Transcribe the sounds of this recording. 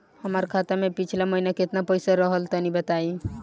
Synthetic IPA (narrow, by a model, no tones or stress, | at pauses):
həməɾkʰat̪amepit͡ʃʰlaməinaket̪napəjsaɾəɦəlt̪ɔnibət̪ai